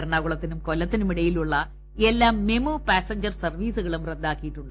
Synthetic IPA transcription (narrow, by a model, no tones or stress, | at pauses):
ɐɾɳaːɣuɭɐt̪ːinumkolːɐt̪ːinumiɽɐjiluɭːɐ | elːaːmːemupaːsɐɲd͡ʑɐrsɐrʋiːsuɣɐɭumred̪ːaːkːijiʈːuɳɖɨ